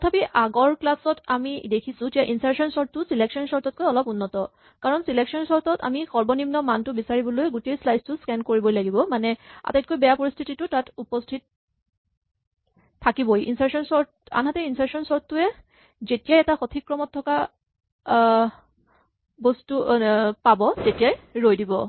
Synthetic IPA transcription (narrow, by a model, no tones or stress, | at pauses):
tɔtʰapiʔaɡɔɹklasɔtamidekʰisʊ̃d͡ʒɛʔinsaɹsɔnsɔɹ̚ʊsileksɔnsɔɹtɔt̚kojɔlɔpunːɔtɔ | kaɹɔnsileksɔnsɔɹtɔta̰mixɔɹbɔnimnɔmantʊbisaɹibɔlojɡutejslajstʊskɛnkoɹibɔjlaɡibɔmanɛa̰tat̚kojbɛjapoɹistʰititʊtatupɔstʰit̚ | akibɔjḭnsaɹsɔnsɔɹta̰nɦatɛinsaɹsɔnsɔɹtːʊɛ | zetijajɛtaxotʰikɹɔmɔtʰːɔka | bɔstupabɔzetijajɹojdibɔ